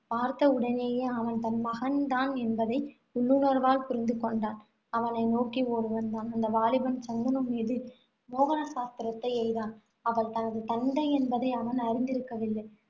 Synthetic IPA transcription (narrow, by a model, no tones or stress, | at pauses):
paːɾt̪ɐʊɽɐneːjeːɐʋɐnt̪ɐnmɐɣɐnt̪aːnɛnbɐðɐɪ | ʊɭːɯnɐɾʋaːlpʊɾɪnd̪ɯkɔɳɖaːn | ɐʋɐnɐɪnoːkioːɾɯʋɐnd̪aːnɐnd̪ɐʋaːlɪʋɐnt͡ʃɐnd̪ɐnɯmːiːðɯ | moːɣɐnɐsaːst̪ɪɾɐt̪ːɐɪɛjðaːn | ɐʋɐɭt̪ɐnɐðɯt̪ɐɳɖɐɪɛnbɐðɐɪɐʋɐnɐɾɪnd̪ɪɾɯkːɐʋɪlːɐɪ